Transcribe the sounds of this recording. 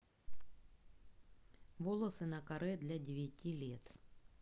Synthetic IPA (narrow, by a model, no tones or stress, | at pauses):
ʋɔlˠɐsɨnɐkɐɾɛd̪lʲɐdʲɪʋʲjatʲilʲit̪